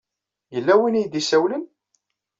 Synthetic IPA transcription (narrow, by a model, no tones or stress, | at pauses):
jəlːæwinijd̪isæwlən